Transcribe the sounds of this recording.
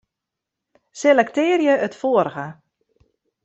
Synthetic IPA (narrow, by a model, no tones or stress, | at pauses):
selɛktɪːərjəətfoəɾəɣə